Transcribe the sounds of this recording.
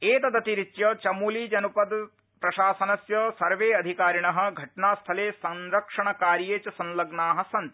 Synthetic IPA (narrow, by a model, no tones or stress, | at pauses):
eːt̪ɐd̪ɐt̪iɾit͡ʃjɐt͡ʃɐmuːliːd͡ʒɐnupɐd̪ | pɾɐʃaːsɐnɐsjɐsɐɾʋeːɐd̪ʱikaːɾiɳɐɦɐ̆ɡʱɐʈɳaːst̪ʰɐleːsɐnɾɐkʂɐɳɐkaːɾjeːt͡ʃɐsɐ̃nlɐɡnaːɦɐsɐnt̪